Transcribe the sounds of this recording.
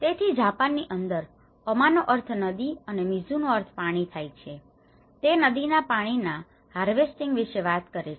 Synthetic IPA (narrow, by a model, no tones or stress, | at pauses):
t̪et̪ʰid͡ʒapanːiʔənd̪əɾ | əmanoʔəɾt̪ʰnəd̪iənemid͡ʒunoəɾt̪ʰpaɽ̃it̪ʰajt͡ʃʰe | t̪enəd̪inapaɽ̃ina | haɾʋesʈiŋɡʋɪʃeʋat̪kəɾet͡ʃʰ